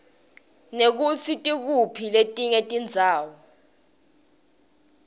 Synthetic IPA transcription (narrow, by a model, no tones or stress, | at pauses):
nek̬ut͡sʰitʼik̬upʰiletʼiŋetʼind͡zʱaːwɔ